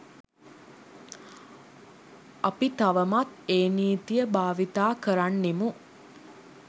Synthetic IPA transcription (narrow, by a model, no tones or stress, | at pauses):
ɐpit̪aʋəmat̪eːniːt̪ijəbaːʋit̪aːkəɾanːimu